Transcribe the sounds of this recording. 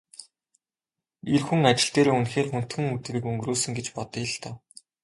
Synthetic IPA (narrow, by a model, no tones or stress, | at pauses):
erxuŋat͡ɕɪ̆ɬt̪eːɾoːunxeːrxun̥t̪xɘ̆ŋut̪rɘ̆kɵŋɡroːsɵ̆ŋɡet͡ɕpɔt̪iːɮt̪ă